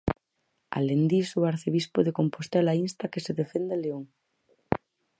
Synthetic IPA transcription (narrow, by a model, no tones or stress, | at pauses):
a̰lend̪isuaɾθeβispoðeko̞mpost̪elainst̪akeseðefend̪eleoŋ